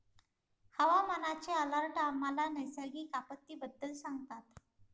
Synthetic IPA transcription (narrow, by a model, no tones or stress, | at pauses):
həʋamənat͡ɕeələɾʈamalanəjsaɡiːkapət̪ːiːbəd̪ːəlsaŋɡ̚t̪at̪